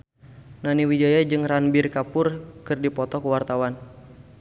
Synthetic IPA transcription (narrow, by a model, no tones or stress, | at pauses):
naniwid͡ʒajad͡ʒɨŋranbɪrkapʊrkɨrdipɔt̪ɔkəwart̪awan